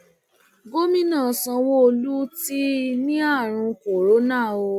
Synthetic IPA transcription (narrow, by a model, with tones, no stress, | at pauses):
ɡo˦mĩ˦nã˦˨sã˧wo˦o˧lu˦ti˦nĩ˦a˦˨ɾ̃ũ˧ko˨ɾo˨˦nã˦˨o˧